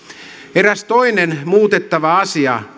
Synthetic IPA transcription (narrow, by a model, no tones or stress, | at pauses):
eræst̪o̞inenmuːt̪et̪ːɑʋɑɑsiɑ̰